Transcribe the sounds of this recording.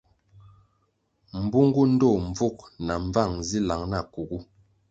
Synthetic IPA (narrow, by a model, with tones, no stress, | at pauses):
m̩˨bu˦ŋɡu˦n̩˦dɔ˦˨ɱ˨b͡vu˦˨k̚na˨ɱ˦va˦˨ŋzi˦la˨˦ŋna˦˨ku˨ɡu˦